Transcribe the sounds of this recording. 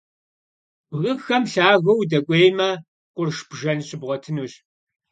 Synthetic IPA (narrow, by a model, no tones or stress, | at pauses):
bɣɨxɐmɬaːɣɐwdɐkʷʼeːjmɐ | qʷʊrʃb̥ʒɐnɕɪbʁʷɔtʰɨnuːɕ